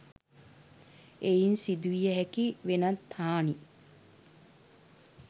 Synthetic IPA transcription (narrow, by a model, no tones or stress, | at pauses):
ejinsid̪uʋijəɦækiʋenat̪ʰhaːni